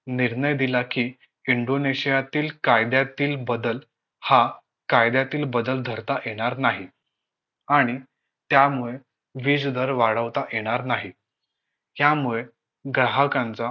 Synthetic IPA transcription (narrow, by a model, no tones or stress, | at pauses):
niɾɳəjd̪ilakiː | iɳɖoneɕijat̪iːlkajd̪jat̪iːlbəd̪əl | ha | kajd̪jat̪iːlbəd̪əld̪ʱəɾt̪ajeɽ̃aɾnaɦi | aɽ̃i | t̪jamuɭe | ʋiːd͡zd̪ʱəɾʋaɽəʋt̪aʔjeɽ̃aɾnaɦi | jamuɭe | ɡɾaɦəkãnt͡sa